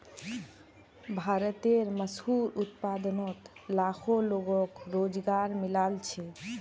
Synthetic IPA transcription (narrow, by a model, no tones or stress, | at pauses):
bʱaɾət̪eɾməshuɾut̪pad̪nɔt̪lakʰoloɡɔkɾod͡ʒɡaɾmilalt͡ʃʰɛ